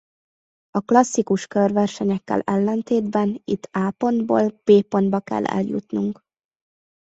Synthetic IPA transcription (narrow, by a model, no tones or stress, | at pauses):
ɒklɒsːikuʃkørvɛrʃɛɲɛkːɛ̰lɛlːɛnt̪eːd̪bɛnit̪ʰːaːpo̞nd̪bo̰ːlpeːpo̞nbɒkɛ̰lːɛ̰ljṵt̪nuŋk